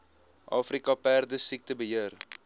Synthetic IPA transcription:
ʔɑːfrikɐpærdəsik̚təbəɦiər

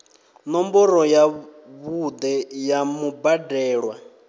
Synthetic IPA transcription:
nɔmbɔɾɔja | βud̪ɛjamubadɛːɺwa

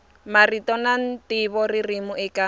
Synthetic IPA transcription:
maritʼɔnan̩tʼɪβɔririmʊʔɛkʼa

